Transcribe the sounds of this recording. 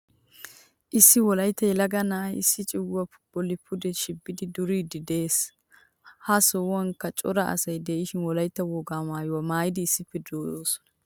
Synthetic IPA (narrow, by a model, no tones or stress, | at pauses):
ʔɪsːɪwɔlɐjt̪ːɐjɛlɐɡɐnaːjɪsːɪt͡ʃʼɪwːɐpʊbɔlɪpʰʊd̪ɛʃɪbːɪd̪ɪd̪ʊɾiːd̪ɪd̪e̞ːs | hɐsɔwɐŋkːɐt͡ʃʼɔɾɐʔɐ̰sɐjd̪eʔɪʃɪnwɔlɐjt̪ːɐwɔɡaːmaːjwɐmaːjɪd̪ɪːsːɪpːɛd̪oːjoːsɔ̥nɐ̥